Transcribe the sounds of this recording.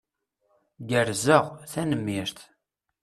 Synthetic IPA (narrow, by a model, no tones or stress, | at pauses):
ɡəɾzəʁθænəmːiɾθ